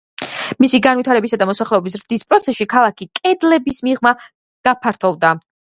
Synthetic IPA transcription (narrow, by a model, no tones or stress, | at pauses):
misiɡanvit̪ʰaɾɛbisad̪amɔsaχlɛɔbis̬ɾd̪̥ispʼɾɔt̪sʰɛsʃikʰalˠakʰikʼɛd̪lɛbismiʁma | ɡ̪̥apʰaɾt̪ʰɔvd̪a